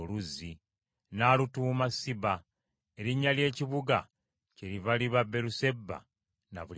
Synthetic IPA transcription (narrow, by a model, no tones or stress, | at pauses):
luzi | naːlutuːmasiβa | eɾiɲːalje̞ːciβuɡa | ceɾiβaliβabe̞ɾuse̞bːa̰ | na̰βul